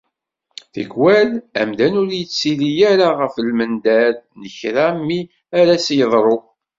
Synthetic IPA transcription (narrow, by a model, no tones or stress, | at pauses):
θə̰ɡwælæ̰md̪ænʊɾjət͡sːilijæɾaʁəfəlmənd̪æɾnəçɾamːi | æɾæsjəðˤɾˤo